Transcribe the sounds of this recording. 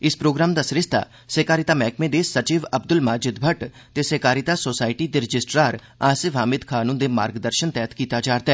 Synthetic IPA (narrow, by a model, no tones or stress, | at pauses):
ɪspɾoːɡɾaːmd̪aːsɾɪst̪a̰ː | seːkaːɾɪt̪aːmɛːkʰmẽːd̪eːsət͡ʃiːʋəbd̪ʊlmaːd͡ʒɪd̪bʱəʈ | t̪eːseːkaːɾɪt̪aːsoːsaːɪʈiːd̪eːɾɪd͡ʒɪsʈɾaːɾ | aːsɪʋɦaːmɪd̪kʰaːnũd̪eːmaːɾɡd̪əɾʃənt̪ɛːət̪kiːt̪aːd͡ʒaːɾt̪aɛ